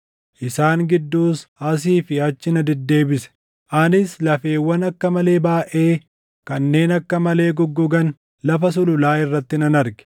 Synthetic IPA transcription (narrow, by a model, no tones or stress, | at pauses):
ʔɪsaːŋɡɪd̪ːuːsɐs̬iːfɪɐt͡ʃːɪnɐd̪ɛd̪ːe̞ːbɪsɛ̥ | ʔɐnɪslɐfe̞ːwːɐnɐkːɐmɐle̞ːbaːʔe̞ː | kɐnːe̞ːnɐkːɐmɐle̞ːɡɔɡːɔɡɐn | lɐfɐs̬ʊlʊlaːɪrːɐt̪ːɪnɐnɐɾɡɛ̥